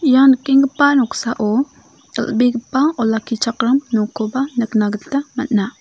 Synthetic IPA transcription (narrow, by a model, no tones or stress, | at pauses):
janəkːiŋɡəpːanɔksaʔo | ə̰lbiɡəpːaɔlakit͡ʃakɾamnukobanəknaɡəɬamatna